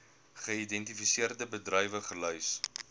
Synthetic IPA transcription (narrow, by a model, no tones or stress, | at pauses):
χəidɛntifisiərdəbədrœjvəχəlœjs